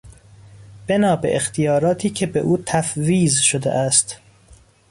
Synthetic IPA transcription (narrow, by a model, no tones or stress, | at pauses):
b̥e̞nɒːbḛʔext̪ʰijɒːɾɒːt̪ʰiːcʲʰe̞beʔuːt̪ʰæfviːzʃod̪ḛʔæst̪